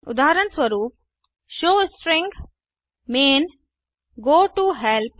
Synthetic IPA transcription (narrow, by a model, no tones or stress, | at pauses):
ʊ̰d̪aːɦəɾənswɐɾuːp̚ | ʃoːsʈɾɪ̃ŋɡ | meːn | ɡoːʈuɦɛlp